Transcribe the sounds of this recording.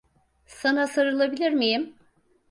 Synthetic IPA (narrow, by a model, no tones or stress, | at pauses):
sanasaɾɯlˠabilʲiɾmijim